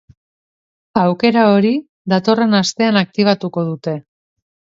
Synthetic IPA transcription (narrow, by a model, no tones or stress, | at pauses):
awke̞ɾao̞ɾi | ðat̪o̞re̞nast̪e̞anak̚t̪iβ̞at̪uko̞ð̞ut̪e̞